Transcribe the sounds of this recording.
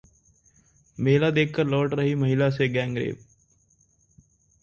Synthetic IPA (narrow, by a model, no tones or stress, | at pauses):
meːlad̪eːkʰkəɾlɔːʈɾəɦiməɦɪlaseɡɛ̃ːŋɡɾḛːb